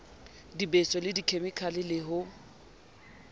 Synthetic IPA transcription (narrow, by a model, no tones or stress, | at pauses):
dibesɔlɪdikʰemɪkʰalɪlɪɦʊ